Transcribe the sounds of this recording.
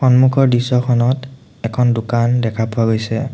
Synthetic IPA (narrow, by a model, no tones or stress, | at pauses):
xɔnmukʰɔɹdisɔkʰɔnɔt | ɛkʰɔndʊkandɛkʰapʊaɡojsɛ